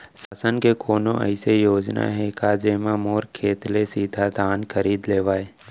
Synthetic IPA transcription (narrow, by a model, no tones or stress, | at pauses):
saːsənkekʰoːnõʔə̰ɪsejoːd͡ʒna̰ɦɛkaːd͡ʒeːmãmoːɾkʰeːt̪lesiːd̪ʱad̪ʱaːnkʰəɾiːd̪leːʋaːe